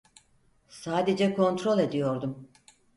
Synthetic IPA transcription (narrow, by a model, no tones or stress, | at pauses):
saːd̪ed͡ʒɛkʰo̞nt̪ɾo̞lˠe̞d̪ijo̞ɾd̪um